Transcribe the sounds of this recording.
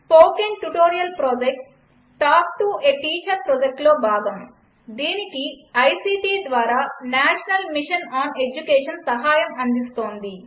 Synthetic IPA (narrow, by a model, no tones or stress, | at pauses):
poːkenʈuʈoːɾijɐlpɾoːd͡ʒek̚ʈː | aːk̚ʈueʈiːt͡ʃɐɾpɾoːd͡ʒek̚ʈlo̞ːbʱaːɡɐm | d̪iːnikiɐjsiːʈiːd̪ʋaːɾaːnaːʃɐnɐlmiʂɐnaːned͡ʒukeːʂɐnsɐɦaːjɐmɐnd̪ist̪o̞ːnd̪i